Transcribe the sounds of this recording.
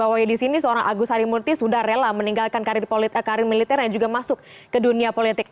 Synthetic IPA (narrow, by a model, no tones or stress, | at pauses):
awajdisinisəoɾaŋʔaɡusaɾimurt̪isudahrelaməniŋɡalkankaɾrpkaɾɪrmilit̪ɛrɲaɲd͡ʒuɡamasʊk̚ː | əduniapolit̪ɪk̚